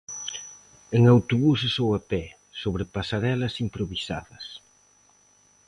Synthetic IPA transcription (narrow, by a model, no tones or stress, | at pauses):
eŋawt̪oβusesowapɛ | soβ̞ɾepasaɾɛlɐsimpɾoβisaðɐs